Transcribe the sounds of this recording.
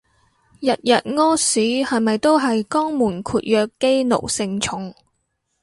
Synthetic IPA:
jɐ˨t̚jɐ˨t̚ŋɔː˥siː˨˥hɐ˨˩jmɐ˨jt̪o˥wɦɐ˨jkɔː˥ŋmuː˨˩nkʰuː˨˧t̚jœː˧kːe˥jno̰˨˩wsɪ˧ŋt͡ʃʰʊ˨˥ŋ

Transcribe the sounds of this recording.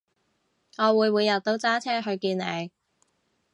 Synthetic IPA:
ŋɔː˨˧wuː˨˧jwuː˨˧jːɐ˨˩t̚t̪o˧˥wt͡saː˥t͡sʰɛː˥ɦɵ˧ɥkiː˧nne˨˧j

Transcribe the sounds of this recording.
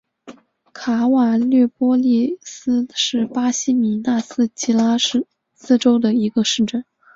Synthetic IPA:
kʰa˧˥wa˨˩ljɛ˥˩pwɔ˥li˥˩s̩˥ʂɻ̩˥˩pa˥ɕi˥mi˨˧˥na˥˩sɹ̩˥t͡ɕi˥la˥ | sɹ̩˥ʈ͡ʂo˥ʊd̪ə˨i˧˥ɡə˧ʂɻ̩˥˩˧ʈ͡ʂə˥˩n

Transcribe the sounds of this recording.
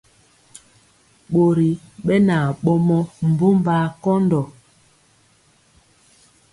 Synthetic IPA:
ɓo˨ɾi˨ɓɛ˦na˨ɓɔ˦mɔ˦m̩˨bo˦mba˨˦kɔ˦ndɔ˨

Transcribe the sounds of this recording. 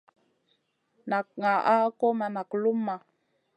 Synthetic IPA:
na˨k̚ŋa˨ʔa˦ko˦ma˨na˨klu˦mːa˨

